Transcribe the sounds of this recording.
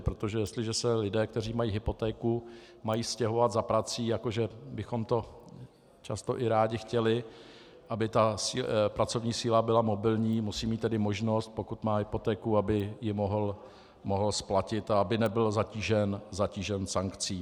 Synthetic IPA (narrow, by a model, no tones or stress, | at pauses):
pɾot̪oʒɛjɛst̪lɪʒɛsɛlɪdɛːk̚t̪ɛr̝iːmajiːɦɪpo̞t̪ɛːkumajiːscɛɦo̞vad̪zapɾat͡siːjakoʒɛbɪxo̞mt̪o̞ | t͡ʃast̪o̞ʔɪɾaːɟɪxcɛlɪ | ʔabɪt̪asiːpɾat͡so̞vɲiːsiːlabɪlamo̞bɪlɲiːmusiːmiːt̪ːɛdɪmo̞ʒno̞st̪̚po̞kut̪maːɦɪpo̞t̪ɛːkuabɪjɪmoɦl | moɦl̩splacɪt̪aabɪnɛbɪlzaciːʒɛnzaciːʒɛnsaŋkt͡siː